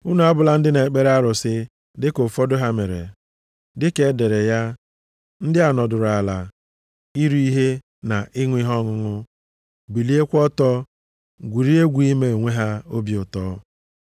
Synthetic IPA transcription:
ʊ˦nu˨˦a˦bʊ˨la˦n̩˦dɪ˦ne˨k͡pe˦ɾa˦ɾʊ˨sɪ˦ | dɪ˦kʊ˨fɔ˦dʊ˦ɦa˦me˨ɾḛ˨ | dɪ˦ke˦de˨ɾe˨ja˦ | n̩˦dɪ˦a˨nɔ˨dʊ˨ɾa˨la˨ | i˦ɾu˦i˦ɦe˦ | na˨ʔɪ˦ŋʷ˦i˦ɦɔ˦ŋʊ˦ŋʊ˦ | bi˨li˦e˦kʷɔ˦tɔ˦ | ɡʷi˨ɾi˦e˦ɡʷi˦me˨ŋʷe˦ɦa˦o˦bi˨˦ʊ˨tɔ˦

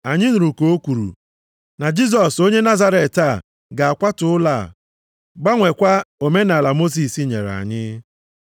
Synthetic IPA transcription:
a˨ɲɪ˦n̩˨ɾu˨ko˨o˦kʷu˨ɾṵ˨ | na˨d͡ʒi˦s̬ɔ˨so˦ɲe˦na˦za˦ɾe˨ta˦˨ | ɡa˨a˨kʷa˦tʊ˨ʊ˦la̰˦˨ | ɡ͡ba˦ŋʷe˨kʷa˦o˨me˦na˨la˨mo˦s̬i˨si˦ɲḛ˨ɾa̰˨ɲɪ˦

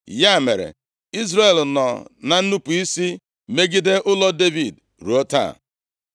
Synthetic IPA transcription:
ja˦˨me˨ɾḛ˨ | i˦zɾa˦˨e˨lnɔ̰˨na˨n̩˦nu˦pu˨i˦si˦ | me˦ɡi˦de˦ʔʊ˦lɔ˦de˦vi˨d | ɾu˨o˦ta̰˦˨

